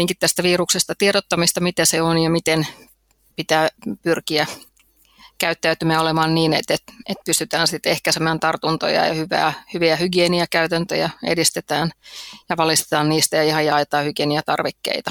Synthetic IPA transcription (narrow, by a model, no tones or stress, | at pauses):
iːŋkit̪ːæst̪æʋiːɾuksest̪ɑt̪ieɾot̪ːɑmist̪ɑmit̪æseonjɑmit̪en | pit̪æːpyrkiæ | kæyt̪ːæyt̪ymæolemɑːnniːnḛt̪et̪et̪̚pyst̪yt̪æːnsit̪ehkæsemæːnt̪ɑrt̪unt̪o̰jɑ̰jɑ̰hyʋæ̰ːhyʋiæhyɡieniækæyt̪ænt̪ø̰jæḛdist̪et̪æːnjɑʋɑlist̪e̥t̪ɑːnniːst̪æjɑihɑjɑɑjt̪ɑːhyɡ̥ieːniæt̪ɑrʋekːḛit̪ɑ̥